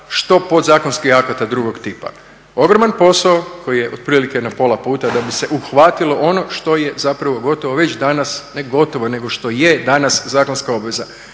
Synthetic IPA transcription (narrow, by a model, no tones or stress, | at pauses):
ʃt̪o̞po̞d̪zaːkonskixakat̪ad̪ɾuɡo̞kt̪ipa̰ | o̞ɡɾomanpo̞saokʰo̞jijeʔod̪̚pɾiːlike̞napo̞lˠapuːt̪ad̪abise̞ʔuxʋat̪ilˠo̞ʔo̞noʃt̪o̞je̞zapɾaʋo̞ɡo̞t̪oʋoʋe̞t͡ɕd̪anasneɡo̞t̪o̞ʋo̞ne̞ɡo̞ʃt̪o̞jed̪anaszaːko̞nskao̞bʋe̞za